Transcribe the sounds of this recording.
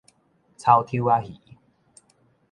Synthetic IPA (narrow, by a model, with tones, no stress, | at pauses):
t͡sʰa˧wt̪ʰi˦a˦hḭ˨˦